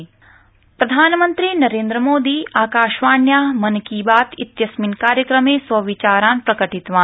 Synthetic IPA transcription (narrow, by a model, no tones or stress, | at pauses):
pɾɐd̪ʱaːnmə̃nt̪ɾiːnɐɾẽːnd̪ɾəmoːd̪iːaːkaːʃʋaːnjaːmɐnkiːbaːt̪ɪt̪jɐsminkaːɾjəkɾəmẽsɐʋit͡ʃaːɾãːnpɾɐkəʈɪt̪ʋaː